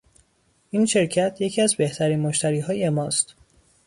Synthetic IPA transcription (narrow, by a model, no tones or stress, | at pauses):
ʔiːnʃe̞ɾcʰæt̪ʰje̞cʰiːæzbe̞ht̪ʰæɾiːnmoʃt̪ʰæɾiːɦɒːjemɒːst̪